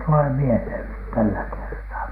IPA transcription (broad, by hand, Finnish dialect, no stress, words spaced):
tule mielheˑn nyt tælːæ kertɑː